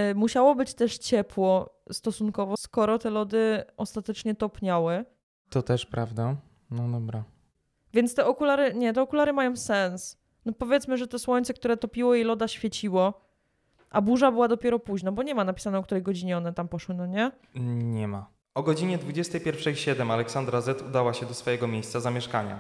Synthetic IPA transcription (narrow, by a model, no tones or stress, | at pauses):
muɕawɔbɘt͡ɕt̪ɛʂt͡ɕɛpwɔst̪ɔsunkɔvɔskɔɾɔt̪ɛlɔd̪ɘɔst̪at̪ɛt͡ʂɲɛt̪ɔpɲawɛ | t̪ɔt̪ɛʂpɾavd̪a | nɔd̪ɔbɾa | vʲjɛnt̪st̪ɛʔɔkulaɾɘɲɛt̪ɛɔkulaɾɘmajɔ̃w̃sɛns | nɔpɔvʲjɛt̪smɘʐɛt̪ɔswɔɲt̪sɛk̚t̪uɾɛt̪ɔpʲiwɔilɔd̪aɕfʲjɛt͡ɕiwɔ | ʔabuʐabɘwad̪ɔpʲjɛɾɔpuʑnɔbɔɲɛmanapʲi̥sanɛɔkt̪uɾɛjɡɔd͡ʑiɲɛɔnɛt̪ampɔʂwɘnɔɲɛ | ɲɛma | ɔɡɔd͡ʑiɲɛd̪vud͡ʑɛst̪ɛjpʲjɛɾfʂɛjɕɛd̪ɛmalɛksand̪ɾazɛt̪ud̪awaɕɛd̪ɔsfɔjɛɡɔmʲejst̪sazamʲjɛʂkaɲa̰